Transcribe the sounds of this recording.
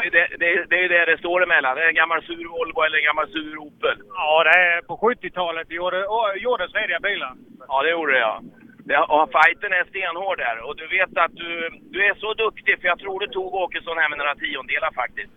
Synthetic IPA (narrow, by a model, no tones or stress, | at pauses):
ɛjd̪ɛd̪ɛːd̪ɛːjɵd̪ɛɖɛst̪oːɾɛmɛlːand̪ɛɾɛnɡamːalsʉ̟ːɾvɔlɡɔɛləɾɛnɡamːalsʉ̟ːɾuːpːəlɑːd̪ɛæpɔɧɵt̪ːɪt̪ʰɑːlət̪̚joːɾəɔjuːɖəsæɾɪabœjlaɑːd̪ɛjuːɖəjɑ̰ːd̪ɛʔɔfajt̪ənæst̪eːnhoːɖæ̰ɾɔd̪ɵveːt̪at̪̚d̪ɵd̪ɵæʂɔd̪ɵkt̪ɪfœɾjɑt̪ʰɾuːɖɵt̪ʰuːɡoːkəʂɔmnhɛmɪnɾat̪ʰiːɔnd̪eːlaɾfak̚t̪ɪst̪